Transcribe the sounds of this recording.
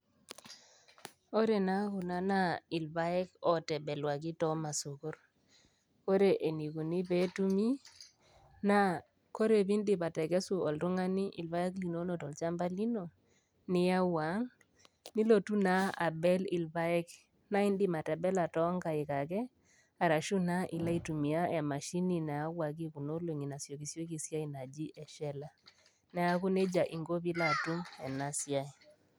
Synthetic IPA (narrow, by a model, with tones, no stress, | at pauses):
o˦ɾe˨na˨˦kʊ˨na˦na˦ɪ˨lba˦ɛ˦kɔ˦tɛ˨bɛ˨lwa˨k̬i˦tɔ˦ma˨so˨ko˦ɾ | ko˦ɾe˨ʔe˨ni˨ɡu˨ni˦be˦tu˦mi˦ | na˦ | ko˦ɾe˨bi˦ndɪ˨ba˨tɛ˨ɡɛ˦su˨ɔ˨lɾʊ˦ŋa˦ni˦ʔi˨lba˦ɛ˦kli˨no˦no˨tɔ˨lt͡ʃa˦mba˦li˦no˨ | nɪ˦ja˦wa˨˦ŋ | ni˦lo˨tu˦na˦a˨bɛ˦lɪ˨lba˦ɛ˦k | na˦i˦ndi˦ma˨tɛ˨bɛ˦la˨tɔ˦ŋɡa˨ɪ˨ka˨kɛ˦ | a˨ɾa˨ʃu˦na˦ʔi˨la˦i˨tu˨mi˨a˦ɛ˨ma˨ʃi˦ni˨na˨a˦wa˨k̬i˦ku˨no˦lo˨ŋi˨na˨sjo˨ki˨sjo˦ki˨sja˦i˦na˨d͡ʒi˦ʔɛ˨ʃɛ˦la˦ | nɛ˨a˦kʊ˦ne˦d͡ʒa˨ʔi˨ŋɡo˦bi˦la˦˨tu˦mɛ˨na˦sja˦i˨